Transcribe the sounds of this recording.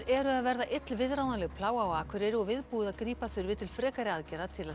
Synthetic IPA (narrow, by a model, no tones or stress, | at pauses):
ɾɛɾʏaðvɛɾðaʔɪt̪lvɪðɾaːwnalɛɣpʰlaːwawaːkʰvʏɾɪɾɔɣvɪðpuːðaðkɾiːpaθʏɾvɪðt̪ʰɪlfɾɛːkaɾɪaðcɛɾat̪ʰɪla